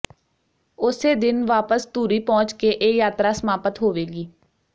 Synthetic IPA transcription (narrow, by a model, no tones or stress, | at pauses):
ʊseːd̪ɪnʋaːpəst̪uːɾiːpɔ̃ːt͡ʃkeʔeːjaːt̪ɾaːsəmaːpət̪ɦoːʋeːɡiː